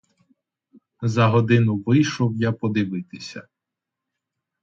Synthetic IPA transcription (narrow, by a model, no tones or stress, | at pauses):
zɐɦɔd̪ɪnʊʋɪjʃɔwjapɔd̪ɪʋɪt̪ɪsʲɐ